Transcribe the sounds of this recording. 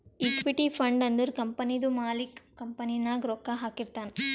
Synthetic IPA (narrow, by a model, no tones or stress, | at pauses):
ikʋiʈipʰɐɳɖɐnd̪uɾkɐmpɐnid̪umaːlikkɐmpɐninaːɡɾoːkːaɦaːkiɾt̪aːnɐ